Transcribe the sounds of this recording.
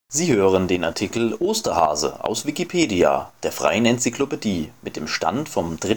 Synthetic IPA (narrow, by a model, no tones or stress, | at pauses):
ziːhøːʁəndeːnaɐtʰikl̩ʔoːstɐha̰ːzə̰ʔa̰ʊsv̥ikipʰeːdia̰ːd̥eːɐfʁ̥a̰ɪənɛnt͡siklopediːmɪt̚d̥eːmʃta̰ntfɔmdʁɪ